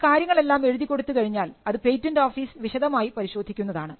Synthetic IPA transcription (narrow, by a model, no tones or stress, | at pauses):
kaːɾjɐŋːɐɭe̞lːaːme̞ɻuðikʲːo̞ɽut̪ːɨkɐɻiɲːaːlɐðɨpe̞jtːɐndoːfiːsʋiɕɐðɐmaːjipɐɾiɕo̞ːd̪ʱːikʲːunːɐðaːɳɨ